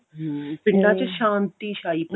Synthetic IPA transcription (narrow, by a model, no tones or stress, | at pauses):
pɪ̃ɳɖãt͡ʃeʃãːnt̪iʃaːip̪